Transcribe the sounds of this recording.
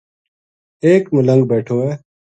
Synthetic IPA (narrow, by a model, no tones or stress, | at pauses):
eːkmʊlə̃ŋɡbeːʈʰoːeː